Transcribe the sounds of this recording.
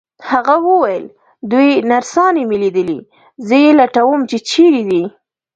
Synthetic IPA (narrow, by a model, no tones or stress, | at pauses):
haɣawəwajəl | d̪ujnaɾsɑnemiled̪əlḭ | zəjelaʈawəmt͡ʃet͡ʃeɾid̪i